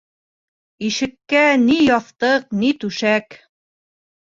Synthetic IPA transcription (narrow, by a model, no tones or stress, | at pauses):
iʃɘ̆kːænijɑθt̪ɤq̚nit̪ʉʃæk